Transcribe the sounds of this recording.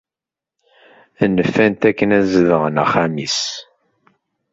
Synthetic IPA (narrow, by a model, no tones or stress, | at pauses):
nːəfːænt̪ækːənæzəðəʁəna̰χamis